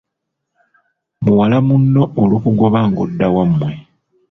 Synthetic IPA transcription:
muwalamunːo̞ːlukuɡo̞βaŋɡodːawamːwe̞

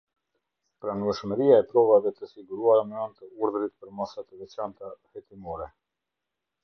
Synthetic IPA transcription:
pɾanuɛʃməɾiaɛpɾɔvaðɛt̪əsiɡuɾuaɾamɛɔnt̪əuɾðəɾit̪pəɾmasat̪əvɛt͡ɕant̪ahɛt̪imɔɾɛ

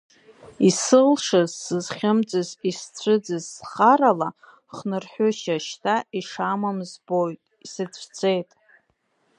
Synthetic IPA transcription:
isɨlʂazːɨzχʲɪmd͡zʼɨzist͡ɕʷʰɨd͡zɨzːχaɾala | χnɨrħʷʊʃaʃtʰaiʂamamzbojtʼisɨt͡sʷʰt͡sʷʰe̞jtʼ

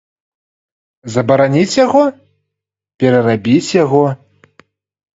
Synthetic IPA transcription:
zɐbɐɾanʲit͡sʲjaɣɔ | pʲɛɾɐrabʲit͡sʲjaɣɔ

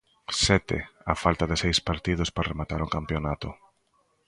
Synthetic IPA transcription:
sɛt̪ɪ̰afalt̪aðɪsejspaɾt̪ið̞ʊsparemat̪aɾʊkampjonat̪ʊ

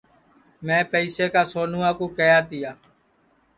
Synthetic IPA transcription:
mɛ̃ːpəiːseːkaːsoːnuːãːkũːkəjaːt̪ɪjaː

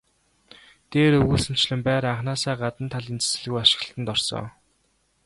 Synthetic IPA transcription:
t̪eːɾɵɣuːsɵ̆m̥t͡ɕɮɘ̆mpæːɾaɴχnaːsæːɢat̪ə̆nt̪ʰaɮint͡sɘ̥sɘ̆ɮɣujaʃɪ̥̆ɣ̆ɬt̪ə̆nt̪ɔrsɞ̰ː

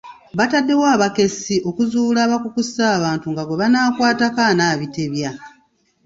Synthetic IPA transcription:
βatadːe̞waːβake̞sio̞kuzuːlaːβakukusaːβaːntuŋɡaɡweβanaːkwaːtakanaːβite̞βja

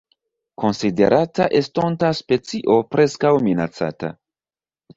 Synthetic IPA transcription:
ko̞nside̞̰ɾʔataʔe̞sto̞ntaspe̞t͡siʔo̞pɾe̞skawminat͡sa̰ta̰

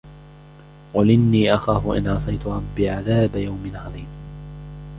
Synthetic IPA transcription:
qʊlɪnːiːʔaxaːfʊʔɪ̰nʕɑsˤɑjt̪ʊɾˤɑbːiːʕaðaːbajawmɪnʕɑðˤiːn

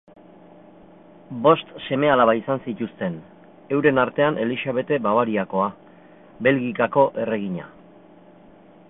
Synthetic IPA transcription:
bo̞st̪se̞me̞alaβaisansit̪ust̪e̞n | e̞wɾe̞naɾt̪e̞anʔe̞lisaβ̞e̞t̪e̞baβaɾiako̞a | βe̞lɣikako̞ʔe̞re̞ɣ̞iɲa̰

